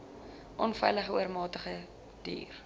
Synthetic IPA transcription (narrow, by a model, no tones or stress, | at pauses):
ʔɔnfɛjləχəuərmɑːtəχə | d̥ḭːr